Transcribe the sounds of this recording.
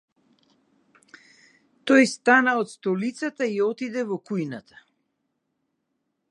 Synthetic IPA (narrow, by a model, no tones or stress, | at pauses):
t̪ɔjst̪anaɔt̪st̪ɔlit̪sat̪aiɔt̪id̪ɛvɔkujnat̪ʰḁ